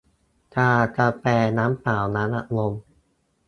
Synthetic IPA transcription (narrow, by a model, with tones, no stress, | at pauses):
kaː˧˩t͡ɕa˧˩pɛː˧˩naː˦˥mpaː˨˩˦wna˦˥nʔa˧˩lo˧m